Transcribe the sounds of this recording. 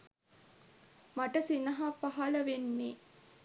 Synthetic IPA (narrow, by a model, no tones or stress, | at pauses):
maʈəsinɐɦapaɦɐləʋenːe